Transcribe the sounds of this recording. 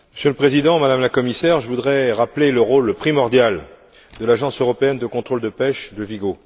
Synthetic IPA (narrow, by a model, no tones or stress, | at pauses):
məsjøləpχezid̪ɑ̃mad̪amlakɔmisɛʁʒəvud̪ʁɛʁapleləʁolpχimɔʁd̪jal | d̪əlaʒɑ̃søʁɔpeɛnd̪əkɔ̃t̪χold̪əpɛʃd̪əviɡo